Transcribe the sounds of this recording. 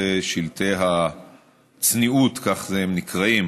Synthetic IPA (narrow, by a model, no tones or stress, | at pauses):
eʃilt̪eɦa | t͡sniut̪kaχzehemnikʁaim